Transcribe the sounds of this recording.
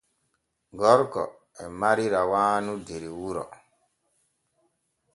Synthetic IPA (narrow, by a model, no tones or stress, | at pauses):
ɡɔɾkɔ̰ | ɛmaɾiɾawaːnudeɾiwuɾɔ̰